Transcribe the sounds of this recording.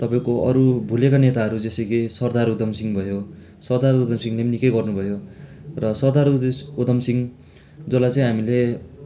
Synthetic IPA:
t̪ʌpaĩkoʔʌɾubʱulekanet̪aɦʌɾud͡zesʌɡisʌrd̪aɾud̪ʌmsiŋbʱʌjo | sʌrd̪aɾud̪ʌmsiŋlenikʌjɡʌrnubʱʌjorʌsʌrd̪aɾud̪ʌmsiŋ | d͡zʌlajt͡sãĩɦamile

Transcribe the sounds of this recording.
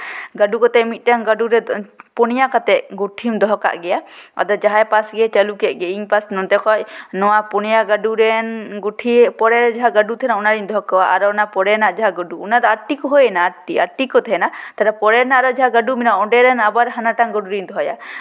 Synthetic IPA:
ɡaɖukɔt̪ɛmit̪̚ˀʈaŋɡaɖuɾɛpɔnijakat̪ɛʔɡuʈʰimd̪ɔɦɔka̰ʔɡɛjaɔ̰d̪ɔd͡ʒaɦajpasɡɛt͡ʃalukɛʔ̪̚ˀɡɛiɲpasnɔnt̪ɛkʰɔʔ̚nɔwapɔnijaɡaɖuɾɛnɡuʈʰipɔɾɛɾd͡ʒaɦaɡaɖut̪ʰɛnaɔnaɾiɲd̪ɔɦɔkawaʔaɾɔnapɔɽɛnaʔd͡ʒaɦaɡɔɖuːnad̪ɔaʈikɔɦɔjɛnaʈiaʈikɔt̪ʰɛnat̪aɖapɔɾɛnaɾɔd͡ʒaɦaɡaɖuminaɔɖɛɾɛnabaɾɦanaʈaŋɡɔɖuɾiɲd̪ɔɦɔja̰

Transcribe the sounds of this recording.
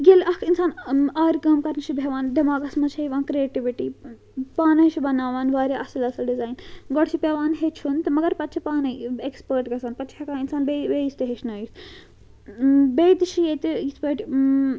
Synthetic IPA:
ɡelʔɐkʰinsaːnaːɾkɐmkɐɾnɐt͡ʃʰibʱeʋaːnɖimaːɡɐsmɐejiʋaːnkɾieːʈiʋiʈi | paːnɐt͡ʃʰibɐnaːʋaːnʋaːɾeʔɐsɐlɐsɐlɖizaːjnɡɔɽt͡ʃʰipʲeʋaːnɦet͡ʃʰunt̪ɐmɐɡɐɾpɐt̪ːt͡ʃʰipaːnɐjekspəɾʈɡɐsaːnpɐt̪ːt͡ʃʰekaːinsaːnbeʋeːist̪eɦet͡ʃʰnɐis | beːd̪ʃʰijet̪eispɐʈ

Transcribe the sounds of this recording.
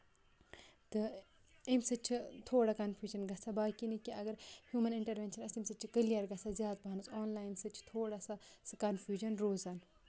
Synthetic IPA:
t̪ɨ | imsɐt͡ʃʰit̪ʰoːɽakɐnfʰjuːd͡ʒɐnɡɐsʰabaːkinikiɐɡɐɾhjuːmɐniɳʈɐɾʋeːnʃɐnɐsimsɨt͡ʃʰikəlijɐɾɡɐsazjaːd̪̚banusɔːnlaːjinsɨt͡ʃʰi̥t̪ʰoːɽasasɨkɐnfʰʲjuːd͡ʒɐnɾoːzan

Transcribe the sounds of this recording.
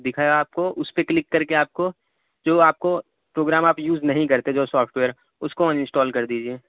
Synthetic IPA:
d̪ɪkʰaːeaːp̚koʔʊspeklɪkːɐɾkeaːp̚ko | d͡ʒoːaːp̚ko | pɾoːɡɾaːmaːpjuːznɐɦĩkɐɾt̪ed͡ʒoːsɔːpʰʈʋeːəɾ | ʊskõɪ̃nsʈɔːlkɐɾd̪iːd͡ʒieː

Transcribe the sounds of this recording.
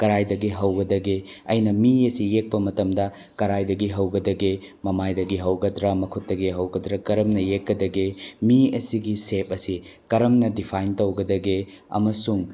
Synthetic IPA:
kɐɾajdɐɡiɦɐwɡɐdɐɡeɐjnɐmiɐsijek̚pɐmɐtɐmdɐ | kɐɾajdɐɡiɦɐwɡɐdɐɡe | mɐmajdɐɡiɦɐwɡɐdɾɐmɐkʰutːɐɡeɦɐwɡɐdɾɐkɐɾɐmnɐjekːɐdɐɡemiɐsiɡisep̚ɐsikɐɾɐmnɐdipʰajntɐwɡɐdɐɡeɐ̰mɐsuŋ

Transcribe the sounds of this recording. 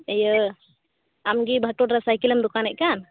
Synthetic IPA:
əjə | amɡibʱaʈɔʈɾasajkiləmd̪ɔkanɛʔ̚kan

